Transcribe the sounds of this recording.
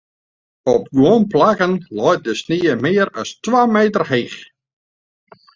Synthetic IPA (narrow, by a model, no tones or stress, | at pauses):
ɔp̚ɡwonplakənlɔjt̚dəsniːəmɪːəɾɑstʋaːmeːtərheːx